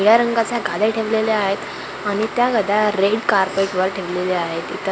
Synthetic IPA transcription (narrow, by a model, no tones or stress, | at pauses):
iɭaɾəŋɡat͡sjaɡʱad̪aʈʰeʋleleaɦet̪ | aɽ̃it̪jaɡəd̪ʱaɾeɖkaɾpeʈʋəɾʈʰeʋleleaɦet̪it̪ə